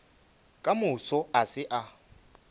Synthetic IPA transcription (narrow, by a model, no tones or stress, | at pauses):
kʼamʊsɔasɪʔa